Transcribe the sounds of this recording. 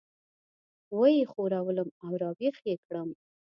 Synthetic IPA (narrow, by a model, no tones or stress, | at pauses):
wəjexoɾawələmawɾɑbexjekɽəm